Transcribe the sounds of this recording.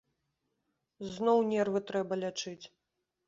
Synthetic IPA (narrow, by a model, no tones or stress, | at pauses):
znɔwnʲɛrvɨt̪ɾɛbɐlʲat͡ʂɨt͡sʲ